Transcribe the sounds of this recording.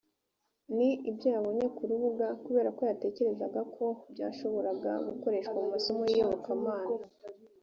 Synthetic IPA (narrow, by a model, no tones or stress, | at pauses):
niibjaβo̞ɲe̞kuɾuβuɡakuβe̞ːɾako̞jate̞ːce̞ɾe̞zaɡakʰo̞bɟaːʃo̞βo̞ɾaɡa̰ɡuko̞ɾe̞ʃkwamumaso̞mojijoβokamaːna